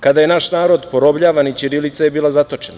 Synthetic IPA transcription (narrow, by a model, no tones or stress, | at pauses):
kad̪ajenaʃnaːɾo̞d̪poɾo̞bʎaːʋanit͡ɕiɾilit̪sajebiːlˠazat̪o̞t͡ʃena